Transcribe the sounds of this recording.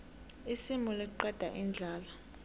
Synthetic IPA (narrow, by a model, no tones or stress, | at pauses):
isimulɛǃɛd̥ʱa̰ʔind͡ɮʱaːla